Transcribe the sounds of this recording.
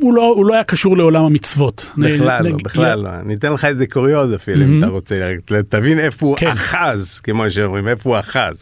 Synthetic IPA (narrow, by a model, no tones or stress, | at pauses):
ulouloajakaʃuʁleo̞lamamit͡svo̞t̪nlalbeχlalːo̰a̰nit̪enleχaezekoʁiot̪afiluimt̪aʁot͡seɡt̪avinefoukeaχazkemoʃeomimefouaχa̰z